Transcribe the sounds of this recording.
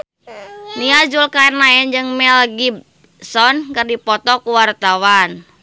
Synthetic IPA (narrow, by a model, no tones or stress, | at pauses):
niad͡ʒulkaɛrnaɛnd͡ʒɨŋmɛlɡib̚ | sɔnkɨrdipɔt̪ɔkuwart̪awan